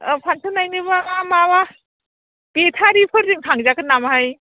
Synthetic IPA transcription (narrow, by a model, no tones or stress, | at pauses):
pʰantʰɯnajnɯbamamaβa | b̥etʰaɾipʰɯɾɾiŋtʰaŋzakɯnamhaj